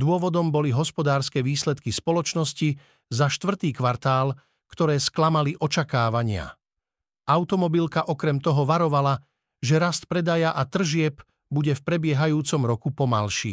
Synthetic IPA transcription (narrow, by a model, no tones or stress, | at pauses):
d̪ʊɔʋɔd̪ɔmbɔliɦɔspɔd̪aːɾskɛːʋiːslɛt̪kispɔlɔt͡ʃnɔsci | zaʃt̪ʋr̩t̪iːkʋaɾt̪aːl | kt̪ɔɾɛːsklamaliʔɔt͡ʃakaːʋaɲɪa̰ | ʔaʊt̪ɔmɔbilkaʔɔkɾɛmt̪ɔɦɔʋaɾɔʋala | ʒɛɾast̪̚pɾɛd̪ajaʔat̪r̩ʒɪɛp | buɟɛfpɾɛbɪɛɦajuːt͡sɔmɾɔkupɔma̰lʃḭ